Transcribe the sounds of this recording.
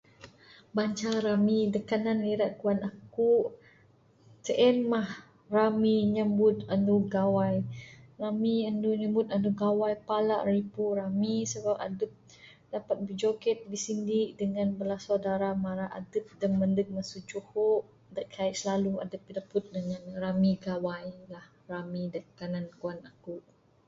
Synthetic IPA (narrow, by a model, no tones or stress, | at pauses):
baɲt͡ʃaɾamidəkananliɾaʔkuanakuʔ | təʔɛnmah | ramiɲəmbʊt̪̚anduɡawajramianduɲəmbut̪̚anduɡawajpalaʔripuɾamisəbap̚a̰dəp̚ | dapat̪̚bəd͡ʒokɛt̪̚bisindiʔdəŋãnbəlasawdaɾamaɾaʔa̰dəp̚dəmːəndək̚masuʔd͡ʒuhoʔ | dəʔkʰaiʔsəlalua̰dəp̚ːidəpʊt̪̚dəŋanramiɡawajlah | ramidakanankuanakuʔ